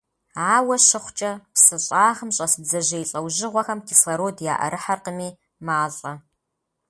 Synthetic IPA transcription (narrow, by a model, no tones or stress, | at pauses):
aːwɐɕɪχʷt͡ʃʼɐpsɨɕʼaːʁəmɕʼɐsɨbzɐʑejɬʼɐwʒɪʁʷɔxɐmkʰisɐɾoːdja̰ːʔɐ̰ɾʔɨħarqəmiː | maːɮʼɐ